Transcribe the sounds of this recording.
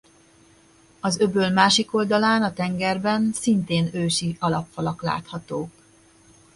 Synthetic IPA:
ɒzøbøːlmaːʃiko̞ld̪ɒlaːnɒt̪ɛŋɡɛrbɛnsint̪eːnøːʃiɒlɒpfɒlɒkla̰ːt̪hɒt̪oːk

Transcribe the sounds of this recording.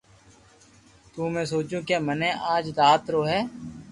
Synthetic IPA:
t̪uːmẽːsoːt͡ʃũːkeːmənẽːʔaːd͡ʒd̪aːt̪ɾoːɦɛː

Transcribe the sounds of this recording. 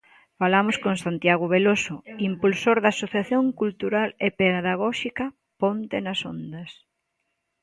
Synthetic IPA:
falamoskoŋsant̪jaɣoβelosʊimpulsoɾðaːsoθjaθjoŋkult̪uɾalepeððaɣ̞ɔʃikɐ | pont̪enɐsond̪ɐs

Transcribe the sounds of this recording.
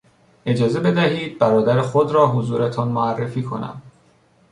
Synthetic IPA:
ʔe̞d͡ʒɒːze̞be̞d̪æɦiːd̪̚bæɾɒːd̪æɾexod̪ɾɒːɦozuːɾet̪ʰɒnmoærːefiːkʰo̞̰næ̰m

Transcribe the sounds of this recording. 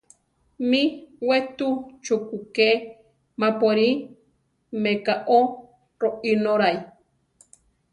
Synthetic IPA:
miwet̪ut͡ʃukuke | mapoɾi | mekaʔo | ɾoʔinoɾaj

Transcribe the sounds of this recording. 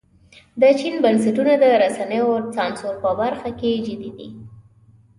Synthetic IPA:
d̪ət͡ʃinbəns̬aʈunad̪əɾasanəjot͡sɑnsoɾpəbaɾxaked͡ʒəd̪id̪i

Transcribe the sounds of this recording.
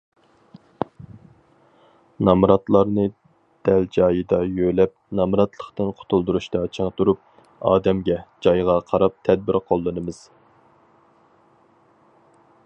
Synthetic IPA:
nɑmɾɑt̪lˠɑɾnɨ | d̪̥ɛld͡ʒɑːjɨd̪ɑjølɛp̚nɑmɾɑt̪lˠəχt̪ɨnqʰo̥t̪ʰulˠd̪uɾuʃt̪ɑt͡ʃʰəŋt̪uɾup̚ | ɑ̰ːd̪ɛmɡʲɛd͡ʒɑjʁɑqʰɑɾɑp̚t̪ʰɛd̪̚bɪɾqʰolˠːɨnɨmɨz̥

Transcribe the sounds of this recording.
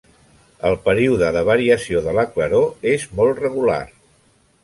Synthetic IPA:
əlˠpəɾiuðəðəβ̞əɾiəsioðələkləɾoezmɔlˠtrəɣula̰r

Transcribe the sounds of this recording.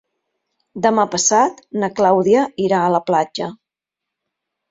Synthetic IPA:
d̪əmapəsat̪nəklawðiəiɾaələplad͡ʒə

